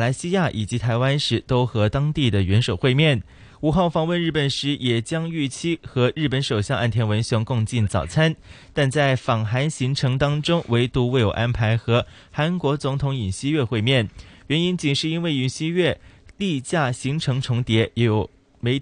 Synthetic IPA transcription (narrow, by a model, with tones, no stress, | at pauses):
la˧˥ɪɕi˥ja˥˩ʔi˨˩t͡ɕi˧˥t̪ʰa˧˥ɪwa˥nʂɻ̩˧˥t̪o˥ʊxɤ˧˥t̪ɑ˥ŋt̪i˥˩d̪ə˩ɥɛ˧˥nʂo˨˩ʊxwe˥˧ɪmjɛ˥˩n | u˨˩xɑ˥˩ʊfɑ˥˧ŋwə˥˧nɻ̩˥˩pə˨˩nʂɻ̩˧˥jɛ˨˩t͡ɕjɑ˥ŋy˥˩t͡ɕʰi˥xɤ˧˥ɻɻ̩˥˩pə˧˥nʂo˨˩ʊɕjɑ˥˧ŋʔa̰˥˩nt̪ʰjɛ˧˥nwə˧˥nɕjɑ˧˥ŋkʊ˥˧ŋt͡ɕi˥˩nt͡sɑ˨˩ʊt͡sʰa˥nt̪a˥˧nt͡sa˥˩ɪfɑ˨˩ŋxa˧˥nɕi˧˥ŋʈ͡ʂʰɤ˧˥ŋt̪ɑ˥ŋʈ͡ʂʊ˥ŋwʔe˧˥ɪt̪u˧˥we˥˩ɪjo˨˩ʊʔa˥npʰa˧˥ɪxɤ˧˥ | xa˧˥nkwɔ˧˥t͡sʊ˧˥ŋt̪ʰʊ˧˥ŋi˨˩nɕi˥ɥɛ˥˧xwe˥˧ɪmjɛ˥˩nɥɛ˧˥ni˥nt͡ɕi˨˩nʂɻ̩˥˧i˥nwe˥˩ɪy˨˩nɕi˥ɥɛ˥˩li˥˧t͡ɕja˥˩ɕi˧˥ŋʈ͡ʂʰɤ˧˥ŋʈ͡ʂʰʊ˧˥ŋt̪jɛ˧˥jɛ˧˥jo˨˩ʊ | me˧˥ɪ